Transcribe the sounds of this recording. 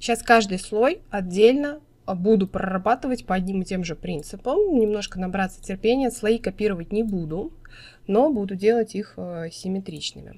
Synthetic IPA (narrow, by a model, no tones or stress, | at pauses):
ɕaskaʐd̪ɨjslˠo̞jɐdʲːelʲnə | bud̪ʊpɾə̰rɐbat̪ɨvətʲpəɐdʲnʲimɨtʲe̞mʐɨpɾʲint̪sɨpəmnʲɪmno̞ʂkənɐbɾat̪sə̥tʲɪrpʲenʲɪjəslˠɐikɐpʲiɾəvət̚ʲnʲɪbud̪ʊ | no̞bud̪ʊdʲe̞lˠətʲixsʲɪmʲɪt̪ɾʲit͡ɕnɨ̰mʲɪ̰